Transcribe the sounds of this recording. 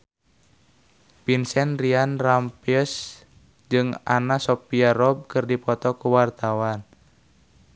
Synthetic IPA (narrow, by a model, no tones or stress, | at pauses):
pinsɛnrianrampius | d͡ʒɨŋa̰nasɔpiaɾɔb̚kɨrdipɔt̪ɔkuwart̪awan